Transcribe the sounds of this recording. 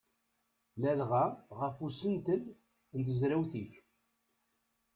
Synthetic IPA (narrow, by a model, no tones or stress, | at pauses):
lælʁaʁəfusənt̪əl | nt̪əzɾæwθiç